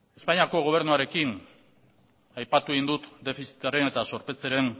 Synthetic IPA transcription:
e̞spaɲiako̞ɣ̞o̞β̞e̞ɾnuaɾe̞kin | ajpat̪ueind̪ut̪d̪e̞fisi̥t̪aɾe̞ne̞t̪aso̞ɾpe̞t͡se̞ɾe̞n

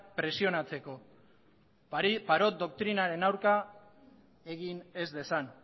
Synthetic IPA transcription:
pɾe̞sio̞nat͡se̞ko̞ | paɾo̞t̪̚d̪o̞k̚t̪ɾinaɾe̞nawɾka | e̞ɣine̞zd̪e̞san

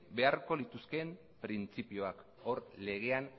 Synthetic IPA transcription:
be̞aɾko̞lit̪uske̞m | pɾint͡sipio̞ak | o̞ɾle̞ɣ̞e̞an

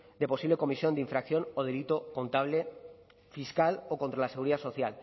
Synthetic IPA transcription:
d̪epo̞siβle̞ko̞misjo̞nd̪eiɱfɾakθjo̞noðe̞lit̪oko̞nt̪aβle | fiskaloko̞nt̪ɾalaseɣuɾiðaso̞θjal

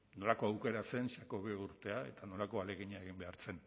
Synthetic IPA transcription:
no̞lako̞awke̞ɾase̞nsako̞βeuɾt̪e̞ae̞̰t̪ano̞lako̞ale̞ɣiɲaeɣ̞imbe̞aɾt͡se̞n

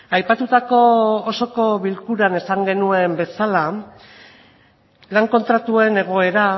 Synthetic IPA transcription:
ajpat̪ut̪ako̞ːso̞ko̞βilkuɾane̞saŋɡe̞nue̞mbe̞sala | laŋko̞nt̪ɾat̪ue̞ne̞ɣ̞o̞e̞ɾa

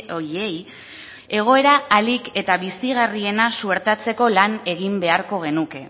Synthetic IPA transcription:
ojej | e̞ɣ̞o̞e̞ɾaːlike̞t̪aβisiɣarie̞nasue̞ɾt̪at͡se̞ko̞lane̞ɣimbe̞aɾko̞ɣ̞e̞nuke̞

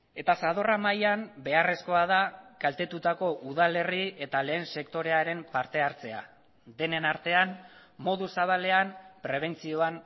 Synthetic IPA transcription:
e̞t̪asaðo̞ramajambe̞are̞sko̞að̞akalt̪e̞t̪ut̪ako̞ʔuð̞ale̞rie̞t̪ale̞ːnse̞kt̪o̞ɾe̞aɾe̞mpaɾt̪e̞aɾt͡se̞a̰ | d̪e̞ne̞naɾt̪e̞anmo̞ðusaβ̞ale̞ampɾe̞β̞e̞nt͡sio̞an

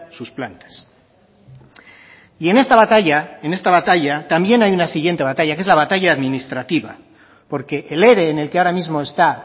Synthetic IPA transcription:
susplant̪ḁs | ie̞ne̞st̪aβat̪aʝaene̞st̪aβat̪aʎat̪ambje̞najunasiɣje̞nt̪e̞βat̪aʝakee̞zlaβat̪aʝaːðmĩnist̪ɾat̪iβa̰ | po̞ɾke̞ʔːle̞ɾe̞ːne̞lkeaoɾamizmo̞e̞st̪a

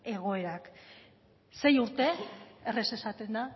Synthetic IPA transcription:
e̞ɣ̞o̞e̞ɾak | se̞juɾt̪e̞ːrese̞sat̪e̞nd̪a

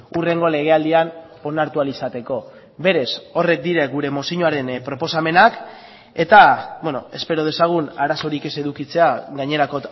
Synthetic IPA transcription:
ure̞ŋɡo̞le̞ɣ̞e̞ald̪ian | o̞naɾt̪ualisat̪e̞ko̞ | βe̞ɾe̞so̞re̞k̚d̪iɾeɣuɾe̞mo̞siɲoaɾe̞npɾo̞po̞same̞nak | e̞t̪abwenoe̞spe̞ɾo̞ð̞e̞saɣ̞unaɾaso̞ɾike̞se̞ðukit͡se̞aɣaɲe̞ɾako̞

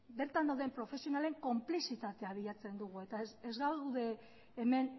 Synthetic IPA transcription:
be̞ɾt̪and̪awðe̞mpɾo̞fe̞sio̞nale̞ŋko̞mplisit̪at̪e̞aβ̞iʎat͡se̞nd̪uɣ̞ue̞t̪aezɣaðe̞ː | me̞n

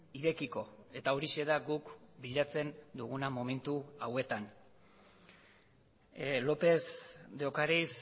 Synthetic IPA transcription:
iɾe̞kiko̞e̞t̪aoɾiʃe̞ðaɡukbiʎat͡se̞nd̪uɣunamo̞me̞nt̪uawe̞t̪an | lo̞pe̞zd̪eokaɾejs

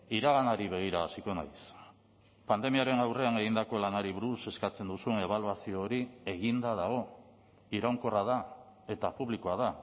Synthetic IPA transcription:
iɾaɣanaɾiβe̞ɣ̞iɾaːsiko̞na̰js | pand̪e̞miaɾe̞nawre̞ane̞ɣind̪ako̞lanaɾiβuɾuse̞skat͡se̞nd̪usuene̞β̞aluasio̞ːɾie̞ɣind̪að̞aɣ̞o̞ | iɾawŋko̞rað̞ae̞t̪apuβlikoað̞a

